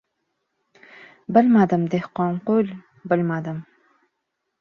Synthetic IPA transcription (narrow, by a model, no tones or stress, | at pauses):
bɪlmad̪əmd̪ehqɑnqolʲ | bɪlmad̪əm